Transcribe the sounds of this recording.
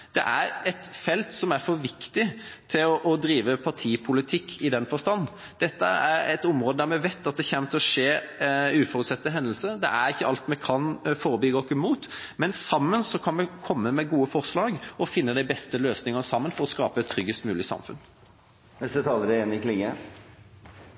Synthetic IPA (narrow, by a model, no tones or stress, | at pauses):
d̪̥ɛ̰ʔæɾɛt̪fɛlt̪sɔmæɾfɔɾʋɪkt̪ɪt̪ʰɪlɔʔɔd̪ɾiːʋəpʰɑʈʰiːpʰʊlɪt̪ʰɪkːɪd̪ɛnːfɔst̪ɑnː | d̪̥ɛt̪ːəæɾɛt̪ʊmʁoːd̪əd̪æɾmɛʋet̪ːɑt̪̚d̪ɛçɛmt̪ʰɪɔʂeːʉːfɔɾʉt̪sɛt̪ːəɦɛnd̪əl̩səd̪ɛ̰ʔæɾɪçːəɑlt̪mɛkʰɑnfoːɾəbʏɡəɔkːəmuːt̪mɛnsɑmːənsɔkʰɑnmɛkʰɔmːəmɛɡuːəfɔʁslɑːɡɔfɪnːəd̪æɪbɛst̪əløːsnɪŋənəsɑmːənfɔɾɔskɑ̰ːpəɛt̪ʰːɾʏɡhəst̪mʉːlɪsɑ̰mfʉ̰n | nɛst̪ət̪ʰɑːləɾəeːnɾɪklɪŋːə